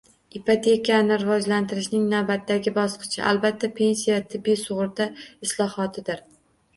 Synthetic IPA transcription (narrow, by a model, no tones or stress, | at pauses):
ɪpʰat̪ʰe̞kʰanɪɾɪvɒd͡ʒlant̪ʰɪɾɪʃnɪŋnavbat̪ːaɡʲɪbɒsqʰɨ̥t͡ʃʰɪ̰ʔalbat̪ʰːapʰe̞nsijat̪ʰɪbːijsʊʁʊɾd̪aɪslˠɒhɒt̪ʰɪd̪ɪɾ